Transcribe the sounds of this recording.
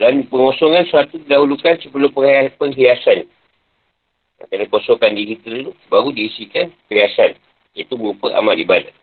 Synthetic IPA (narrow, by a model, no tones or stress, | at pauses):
danpəŋosɔŋansuat̪ukidaɦulukansəpəlʊmpəapəŋɦiasan | a̰kanakosokandiɦit̪ɾət̪ubaɾudiːsikankəiasan | it̪uməɾupəʔa̰malibada